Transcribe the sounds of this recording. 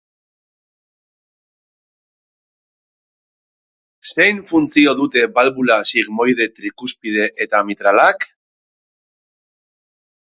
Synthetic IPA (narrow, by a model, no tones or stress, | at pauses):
se̞jnfunt͡sio̞ðut̪e̞balβulasiɣmo̞jð̞e̞t̪ɾikuspið̞e̞ʔet̪amit̪ɾalak